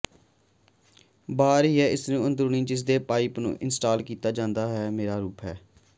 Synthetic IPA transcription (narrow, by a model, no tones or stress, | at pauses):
baːɾiːɦɛːɪsnũːənd̪ɾuːniːd͡ʒɪs̬d̪eːpaːipnṵ̃ːʔɪnsʈaːlkiːt̪aːd͡ʒãːnd̪aːɦɛːmeːɾaːɾuːpɦɛː